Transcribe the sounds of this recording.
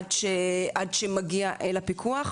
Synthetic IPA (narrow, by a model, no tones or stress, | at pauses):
dʃeʔadʃemaɡiaʔelapikʰuaχ